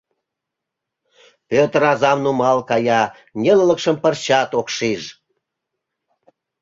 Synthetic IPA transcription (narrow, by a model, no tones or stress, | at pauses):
pʲøt̪əɾɑzɑmnumɑlkɑjɑ | nʲelləkʃəmpərɕɑt̪okʃiʒ